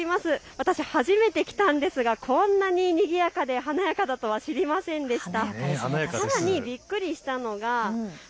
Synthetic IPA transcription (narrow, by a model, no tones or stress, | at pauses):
imasɨβat̪aɕihaʑime̞t̪e̞kʲi̥t̪ãnd̪e̞sɨɡakʰõ̞nːaɲ̟iɲ̟iɡʲijakad̪e̞ɦanajakad̪at̪o̞βaɕiɾʲimasẽ̞nd̪e̞ɕi̥t̪aanajsaɾaɲ̟ibʲikːɯ̟ɾʲiɕi̥t̪ano̞ɡa